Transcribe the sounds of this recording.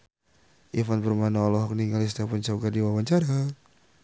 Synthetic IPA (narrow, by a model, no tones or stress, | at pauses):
ʔifanpərmanaɔlɔɦɔk̚niŋɡalist̪apɔnt͡ʃaɡardiwawaɲt͡ʃaɾa